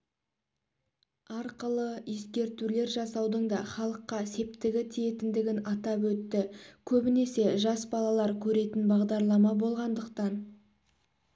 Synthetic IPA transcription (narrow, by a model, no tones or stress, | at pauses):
ɑɾqəlˠəeskʲe̞ɾt̪ule̞ɾʒɑsɑwd̪əɴd̪ɑχɑlˠəqːɑse̞p̚t̪ɪɡʲɪt̪ʰije̞t̪ɪnd̪ɪɡʲɪnɑt̪ɑpwɵt̪ːɪkʲʰɵbɪne̞se̞ʒɑsbɑlˠɑlˠɑɾkʲʰɵɾe̞t̪ɪnbɑʁd̪ɑɾlˠɑmɑbo̞lˠʁɑnd̪əqt̪ɑn